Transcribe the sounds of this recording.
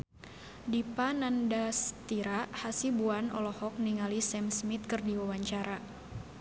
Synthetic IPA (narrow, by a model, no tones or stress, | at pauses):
dipanandast̪iɾahasibuanɔ̰lɔhɔk̚niŋalisɛmsmit̪̚kɨrdiwawaɲt͡ʃaɾa